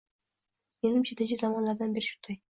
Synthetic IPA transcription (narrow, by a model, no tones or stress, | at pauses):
me̞nɪmt͡ʃʰad̪ɪd͡ʒʲɪzamɒnlaɾd̪anbe̞ɾɪʃʊ̥nd̪aj